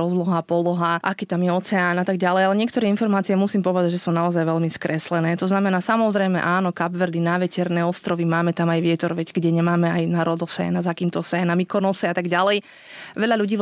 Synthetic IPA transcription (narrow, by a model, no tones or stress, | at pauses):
ɔzlɔɦapɔlɔɦaʔa̰kiːt̪amjɛɔt͡sɛaːnat̪aɡɟalɛjalɛɲɪɛkt̪ɔɾɛːinfɔɾmaːt͡sijɛmusiːmpɔʋɛd̪aɟʒɛsunaɔzajʋɛʎmiskɾɛslɛnɛːt̪ɔznamɛnaːsamɔzɾɛjmɛ̰ʔaːnɔkabʋɛɾd̪inaʋɛcɛɾnɛːɔst̪ɾɔʋimaːmɛt̪amajʋɪɛt̪ɔɾʋɛɟɡɟɛɲɛmaːmɛajnaɾɔd̪ɔsɛ̰ːnazakiːmt̪ɔsɛːnamikɔnɔsɛat̪aɡɟalɛj | ʋɛʎaʎuɟiː